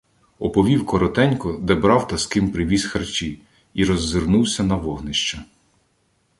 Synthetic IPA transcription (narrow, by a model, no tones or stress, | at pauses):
ɔpɔʋʲiwkɔɾɔt̪ɛnʲkɔd̪ɛbɾɑwt̪ɐskɪmpɾɪʋʲisʲxɐrt͡ʃʲi | iɾɔzːɪrnuwsʲɐnɐʋɔɦnɪʃt͡ʃɐ